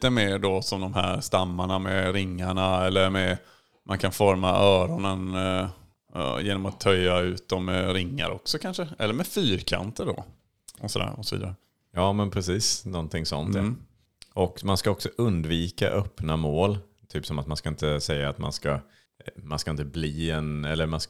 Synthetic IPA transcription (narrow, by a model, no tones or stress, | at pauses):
t̪əmeːɖɔsɔmd̪ɔmhæ̰ːɾst̪amːaɳamɛɾɪŋːaɳaɛlːəɾmɛ | mʔankʰanfɔɾmaʔœːɾɔnən | jeːnɔmat̪ʰːœjːaʉ̟ːt̪̚d̪ɔmɛɾɪŋːa̰ɾʔɔ̰ksɔkʰanʂəɛlːəɾmɛfyːɾkʰa̰nt̪əɖɔ̰ | ɔsɔd̪æ̰ːɾɔsɔvḭːd̪aɾə | jɑːmɛnpʰɾɛsiːsnɔnt̪ʰɪŋsɔ̰nt̪ja | ʔɔkmanskaɔksɔʔɵnd̪viːka̰ʔœpːnamoːl | t̪ʰyːpsɔmat̪manskaɪnt̪əsɛjːaːt̪ma̰nska | manskaɪnt̪əbliːɛnɛlːəɾmans